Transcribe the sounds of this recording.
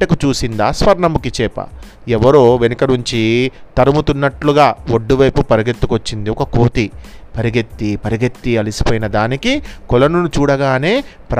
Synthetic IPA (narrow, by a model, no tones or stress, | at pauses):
ɐkut͡ʃuːsind̪aːspɐɾɳɐmukit͡ʃɛːpɐ̰ | ɛʋɐɾoːʋenɐkɐnuɲt͡ʃit̪ɐɾɐmut̪unːɐʈluɡaːoɖːuʋɐjpupɐɾiɡet̪ːi̥kot͡ʃːind̪iɔkɐkoːt̪ipɐɾiɡet̪ːipɐɾiɡet̪ːiɐlisi̥poːjinɐd̪aːnikikɔlɐnunut͡ʃuːɽɐɡaːne̞ːpɾ